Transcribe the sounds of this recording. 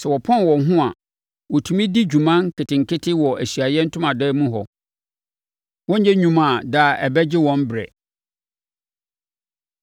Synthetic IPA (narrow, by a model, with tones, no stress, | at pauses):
sɛ˨wɔ˨pʰɔ̃˦˨wɔ̃˨˦ɦʊ̃˦a̰˨ | wɔ˨tʰũ˨mĩ˦di˦d͡ʑᶣu˨mã˦nkʰɪ˨tɪ̃˨ŋ̩˨kʰɪ˦tʰɪ˦wɔ˨æ˨ɕɥa˨jɛ˦n̩˦tʰʊ̃˦mã˨dɛː˦mũ˦ɦɔ̰˨ | wɔ̃˦ɲ̩˦ɛ˦ɲᶣũ˨mã˨daː˨ɛ˨bɛ˦d͡ʑɪ˦wɔ̃˦m˦bɾɛ̰˨